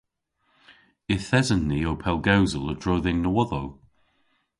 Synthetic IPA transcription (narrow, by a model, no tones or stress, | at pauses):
ɪθɛzənːiːowpʰɛlˠɡawzəlˠədɹoːðɪŋnəwɔðow